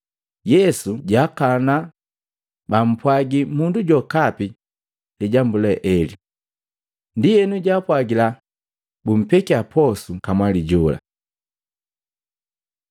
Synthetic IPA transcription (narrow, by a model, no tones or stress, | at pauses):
jɛsuɟakana | bam̩pwaɡimunduɟɔkapi | liɟambulɛʔɛli | ndijɛnuɟapwaɡila | bum̩pɛkiapʰɔsukamwaliɟɔla̰